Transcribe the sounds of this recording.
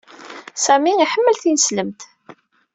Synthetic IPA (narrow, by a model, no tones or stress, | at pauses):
sæmiiħəmːəlθinəsləmt̪